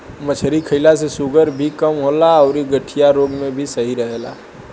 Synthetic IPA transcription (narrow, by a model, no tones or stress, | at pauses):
mət͡ʃʰɾikʰəɪlasesuɡəɾbʱikəmɦolaəʊɾiɡəʈʰijaɾoɡmebʱisəɦiɾəɦela̰